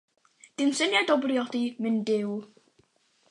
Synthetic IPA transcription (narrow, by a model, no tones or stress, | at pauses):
d̥ɪnsɪnjadɔbriɔdimɨndɪw